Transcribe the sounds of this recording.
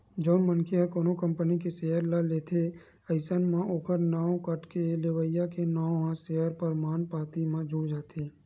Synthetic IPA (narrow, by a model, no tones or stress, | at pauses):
d͡ʒoːnmənkʰiəkoːnokə̃mpənik̬eseːɦəɾlaleːt̪ʰe | əɪsənmãʔoːkəɾnaːõkəʈkelewəjakenaːõɦãseɦəɾpəɾmaːnpaːt̪imãd͡ʒuɽd͡ʒaːt̪ʰeː